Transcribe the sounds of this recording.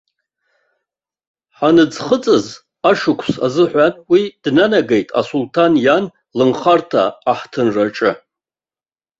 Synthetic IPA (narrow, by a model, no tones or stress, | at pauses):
ħanɨd͡zχət͡sʼɨz | aʂɨkʷʰsa̰zɨħʷanwid̥nanaɡejtʼa̰sultʰanjan | lɨnχartʰa̰ːħtʰɨnraʈ͡ʂʼɨ